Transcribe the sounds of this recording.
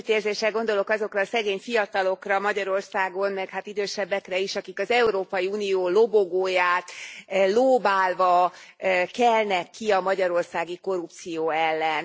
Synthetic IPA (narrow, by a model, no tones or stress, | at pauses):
t̪eːrzeːʃɛlɡo̞nd̪o̞lo̞kɒzo̞krɒːsɛɡeːɲfijɒt̪ɒlo̞krɒmɒɟɒɾo̞rsaːɡo̞nmɛkhaːt̪id̪øːʃɛbːɛkrɛiʃɒkikɒzɛuɾoːpɒjiuːnijoːlo̞boɡoːjaːt̪loːbaːlvɒ | ɛlnɛkːiɒmɒɟɒɾo̞rsaːɡiko̞rup̚t̪sijoːɛlːɛn